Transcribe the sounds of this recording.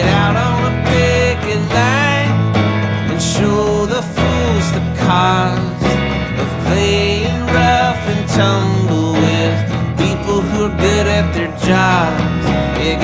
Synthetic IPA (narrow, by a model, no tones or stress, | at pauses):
ɾaʊɾn̩əpʰɪkɨtˡlãɪɪ̃n | ɨ̃nʃoʊðəfulˠz̥tɨ̥kʰɑ | z̥ | ðə̥pʰl̥eɪɪ̃ŋɹʌfɨ̃ntʰʌ̃mbl̩ˠwɪð̥ | pʰipl̩ˠhuə˞ɡʊɾɨt̪̚ðə˞d͡ʒɑbz̥ɪɡ